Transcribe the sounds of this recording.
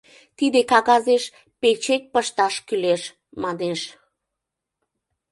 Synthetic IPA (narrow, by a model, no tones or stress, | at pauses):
t̪id̪ekɑɣɑzeʃ | pet͡ɕek̚ʲpəʃt̪ɑʃkyleʃ | mɑneʃ